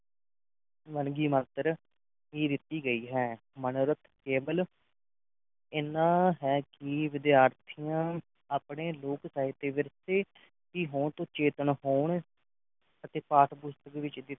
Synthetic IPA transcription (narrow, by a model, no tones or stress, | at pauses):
ʋənɡiːməːt̪əɾ | ɦiːd̪ɪt̪ːiːɡəiːɦɛː | mənʊɾət̪ʰkeːbəl | ɪnãːɦɛːkɪʋɪd̪ɪjaːɾt̪ʰijãː | aːpɳeːloːksaːɦɪt̪eːʋɪɾseː | kiːɦõːɳt̪õːt͡ʃeːt̪əɳɦoːɳ | ət̪eːpaːʈʰbʊst̪əkʋɪt͡ʃd̪ɪt̪